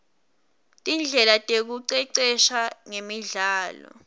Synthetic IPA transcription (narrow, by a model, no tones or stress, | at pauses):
tʼind͡ɮʱɛlatʼek̬uǀɛǀɛʃaŋemiɮaːlɔ̰